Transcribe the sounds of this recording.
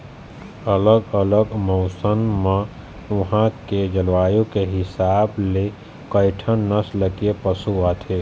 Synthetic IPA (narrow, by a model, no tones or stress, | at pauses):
ələɡələɡmɔːsənmã | ʋɐɦãked͡ʒəlʋaːjõkeɦɪsaːble | kəɪʈʰənnəsləkiepəsuat̪ʰeː